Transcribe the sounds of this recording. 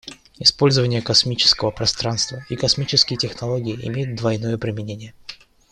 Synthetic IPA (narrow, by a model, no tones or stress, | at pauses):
ɪspo̞lʲzəvənʲɪjəkɐsmʲit͡ɕɪ̥skəvəpɾɐst̪ɾanst̪vəikɐsmʲit͡ɕɪskʲɪjtʲɪxnɐlˠoɡʲɪɪʔɪ̰mʲejʊt̪̚d̪vɐjno̞jəpɾʲɪmʲɪnʲenʲɪjə